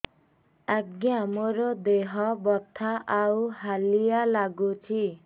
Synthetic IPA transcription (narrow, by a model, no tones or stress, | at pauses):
aɡjamoɾɔd̪eɦɔbɔt̪ʰaʔawɦalijalaɡut͡ʃʰi